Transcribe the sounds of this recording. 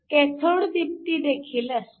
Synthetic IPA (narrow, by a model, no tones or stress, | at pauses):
kɛt̪ʰoɽd̪ip̚t̪id̪ekʰiləs